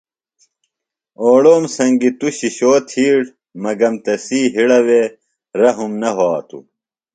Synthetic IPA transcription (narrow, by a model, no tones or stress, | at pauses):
oːɽoːmsɐŋɡit̪uɕiɕoːt̪ʰiːɽ | mɐɡɐmt̪ɐsiːɦiɽɐwe | ɾɐɦumnɐɦoaːt̪ṵ